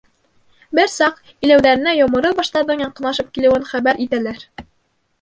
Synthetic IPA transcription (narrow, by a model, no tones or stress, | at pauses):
bɘɾsɑq | ilæwðæɾɘ̆næjomɤ̆ɾɤbɑʃt̪ɑɾðɤɴjɑɴqɤ̆nɑʃɤp̚kilɘ̆wɘnχæbæɾʔit̪ælæɾ